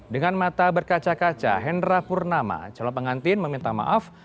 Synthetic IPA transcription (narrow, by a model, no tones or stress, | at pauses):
dəŋanmat̪abərkat͡ʃakat͡ʃa̰ɦɛndɾapurnama̰t͡ʃalɔpəŋant̪ɪnməmint̪ama̰ʔaf